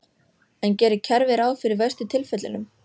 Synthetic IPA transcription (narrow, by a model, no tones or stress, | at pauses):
ɛncɛːɾɪcʰɛɾvɪɾaːwfɪɾɪɾvɛjst̪ʏt̪ʰɪlfɛt̪lɪnʏm